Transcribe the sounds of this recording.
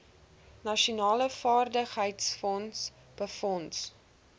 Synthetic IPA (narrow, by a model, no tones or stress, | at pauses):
nɐʃunɑːləfɑːrdəχɦəjtsfɔns | b̥əfɔns